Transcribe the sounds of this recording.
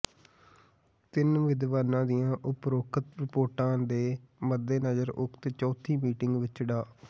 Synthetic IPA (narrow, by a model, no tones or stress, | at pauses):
t̪ɪnʋɪd̪ʋaːnãːd̪ijãːʔʊpɾoːkʰət̪ɾɪpoːɾʈãːd̪eːməd̪ːeːnəd͡ʒəɾʊkʰt̪eːt͡ʃɔːt̪ʰiːmiːʈɪŋɡʋɪt͡ʃɖaː